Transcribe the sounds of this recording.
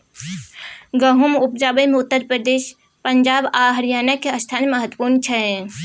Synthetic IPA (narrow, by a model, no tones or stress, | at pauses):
ɡəɦumupd͡ʒabəmeut̪ːəɾpɾəd̪eʃ | pəɲd͡ʒabaɦəɾijanakːeəst̪ʰaneməɦət̪ːwə̥puɾnt͡ʃʰɛ